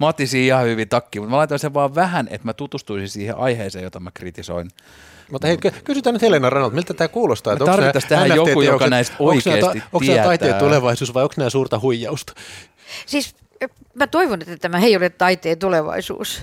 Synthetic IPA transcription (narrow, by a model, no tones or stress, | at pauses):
mot̪ːisiːihɑhyʋit̪ɑkːimut̪mælɑit̪ɑnseʋʋɑːʋʋæhænḛt̪mæt̪ut̪ust̪uisisiːhḛʔɑiheːsḛːjot̪ɑmækrit̪iso̰in | mut̪ɑheit̪kkysyt̪æːnyt̪helenɑrɑnɑlt̪milt̪æt̪æːkuːlost̪ɑːetæot̪ɑɑrnæit̪ːɑst̪æhæjjokːkujokɑnæist̪oikeːst̪iok̪ːsinæːæt̪ɑit̪eːt̪uleʋɑisuːsʋɑjoksnæːsuːrt̪ɑhuijːɑust̪ɑ̥ | siːs | mæt̪oiʋonet̪ːæt̪æmæheijolet̪tɑit̪eːt̪uleʋɑ̰isṵːs